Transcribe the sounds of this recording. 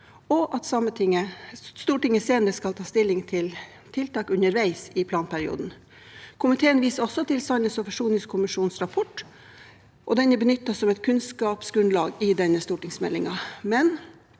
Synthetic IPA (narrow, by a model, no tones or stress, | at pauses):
ɔʔɑt̪sɑmət̪ʰɪŋəst̪uːʈɪŋːəseːnəɾəskɑlt̪ʰɑːst̪ɪlːɪŋt̪ʰɪl | t̪ʰɪlt̪ɑːkʉnəɾʋæɪsɪpʰlɑːnpʰæɾɪṵːd̪n̩ | kʰʊmɪt̪ʰeːənʋiːsəɔsːɔt̪ʰɪlsɑɪnəsɔfɑʂuːnɪskʰʊmɪʂuːnsɾɑpʰɔʈ | ʔɔd̪ɛnəbənʏt̪ːɑsɔmɛt̪̚kʰʉnskɑːpsɡɾʉnlɑːɡɪd̪ɛnːəst̪uːʈɪŋsmɛ̰lːɪŋɑmɛn